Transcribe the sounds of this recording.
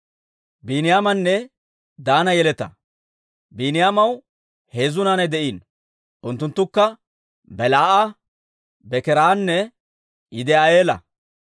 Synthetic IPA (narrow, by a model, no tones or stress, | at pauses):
biːnɪjaːmɐnːɛ | d̪aːnɐjɛlɛt̪ɐ̰ | biːnɪjaːmɐw | heːzʊnaːnɛd̪ɛʔiːn | ʔʊnt̪ːʊnt̪ːʊkːɐ | bɛlaːʔa | bɛkɛɾaːnːɛ | ɪd̪ɛɐjeːlɐ̰